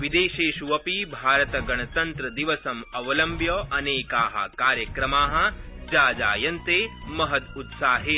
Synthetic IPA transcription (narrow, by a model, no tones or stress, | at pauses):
ʋid̪eːʃeːʃuʋɐpibʱaːɾɐt̪ɐɡɐɳ̃ɐt̪ɐnt̪ɾɐd̪iʋɐsɐmɐʋɐlɐmbʱjɐʔɐneːkaːɦɐ̰̆kaːɾjɐkɾɐmaːɦɐ̆ | d͡ʒaːd͡ʒa̰ːjɐnt̪eːmɐɦɐt̪ut̪saːɦe